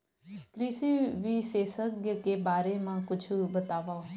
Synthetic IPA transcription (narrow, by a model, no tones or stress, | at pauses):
kɾiːsiːʋiːseːsəkəkeːbaːɾeːmãːkʊt͡ʃʰubət̪aːʋaːo